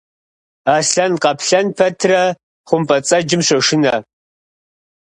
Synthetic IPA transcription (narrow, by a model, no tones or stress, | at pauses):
aːsɬɐnqɐpɬɐnpʰɐtʰrɐ | χʷʊmpʼɐt͡sʼɐd͡ʒɪmɕʷɐʂɪnɐ